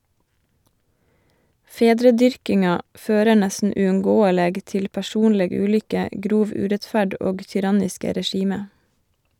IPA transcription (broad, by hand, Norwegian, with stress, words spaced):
ˈfeːdɾəˌdʏɹkɪŋɑ ˈføːɾə ˈɳɛsn̩ ʉːʉŋˈɡoːəleːɡ ˈtɪl pæˈʃuːnlɛɡ ˈʉːlʏkə ˈɡɾuːʋ ˈʉːɾɛtˌfæɖ ˈoːɡ çʏˈɾɑnɪskə ɾɛˈʃiːmə